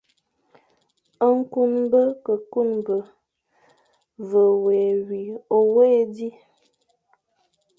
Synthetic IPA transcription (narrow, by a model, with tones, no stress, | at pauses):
ə˦ŋ̩˦ku˦nbə˦kə˨ku˦˨nbə˨ | və˨we˨wi˨o˨we˦di˦